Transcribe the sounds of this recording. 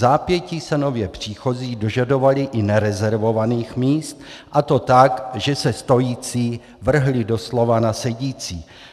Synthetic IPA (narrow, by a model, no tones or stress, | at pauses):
zaːpjɛciːsɛno̞vjɛpr̝̥iːxo̞ziːdo̞ʒado̞valɪʔɪnɛɾɛzɛɾvo̞vaniːxmiːst̪ʔat̪o̞t̪akʒɛsɛst̪o̞jiːt͡siː | vr̩ɦlɪdo̞slo̞vanasɛɟiːt͡siː